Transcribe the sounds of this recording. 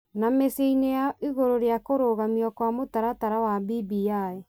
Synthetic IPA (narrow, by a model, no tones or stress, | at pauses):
nameseinejaʔiɣoɾoɾeakoɾoɣamiɔkwamotaɾataɾawabibiae